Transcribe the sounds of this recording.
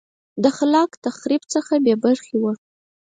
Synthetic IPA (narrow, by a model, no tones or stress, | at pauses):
d̪əxalɑkt̪axɾibt͡səxabebaɾxewəʂ